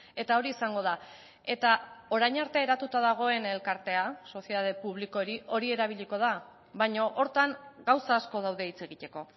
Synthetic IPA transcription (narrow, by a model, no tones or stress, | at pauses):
e̞t̪ao̞ɾiːsaŋɡo̞ð̞a | e̞t̪ao̞ɾajɲaɾt̪eeɾat̪ut̪aðaɣ̞o̞e̞ne̞lkaɾt̪e̞aso̞sijeðað̞e̞puβ̞liko̞ɾiʔo̞ɾie̞ɾaβ̞iʎiko̞ð̞a | βajɲo̞ʔoɾt̪aŋɡawsaːsko̞ð̞awðe̞it͡se̞ɣit̪e̞ko̞